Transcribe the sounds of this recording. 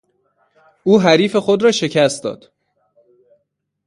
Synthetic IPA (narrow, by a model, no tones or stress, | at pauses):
uːɦæɾiːfe̞xod̪ɾɒːʃe̞cʰæst̪d̪ɒ̰ːd̪̥